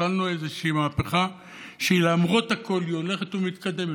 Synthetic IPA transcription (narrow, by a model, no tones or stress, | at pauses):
alnuezeʃiiːmaːpe̞χa | ʃeilamʁo̞t̪hako̞ljo̞le̞χet̪umit̪kad̪e̞me